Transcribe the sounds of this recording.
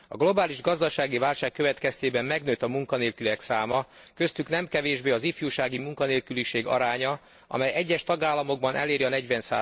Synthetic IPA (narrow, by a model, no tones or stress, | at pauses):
ɒ̰ɡlo̞baːliʒɡɒzd̪ɒʃaːɡivaːlʃaːkːøvɛt̪kɛst̪eːbɛmːɛɡn̪øːt̪ɒmuŋkɒneːlkyliɛksaːmɒ | kø̞st̪yknɛmkɛveːʒbeːɒzifjuːʃaːɡimuŋkɒneːlkyliʃeːɡɒ̰ɾaːɲɒ | ɒ̰mɛjɛɟːɛʃt̪ɒɡaːlːɒmo̞ɡ̚bɒnɛ̰leːɾiɒnɛɟʋɛnsa̰ː